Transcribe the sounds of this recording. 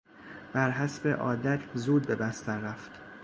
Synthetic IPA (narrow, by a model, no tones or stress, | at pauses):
b̥æɾɦæsbe̞ʔɒːd̪æt̪ʰzuːd̪̚be̞bæst̪æɾːæft̪